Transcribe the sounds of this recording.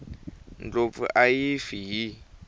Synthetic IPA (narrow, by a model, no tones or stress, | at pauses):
nd͡ɮofṵʔajifiɦi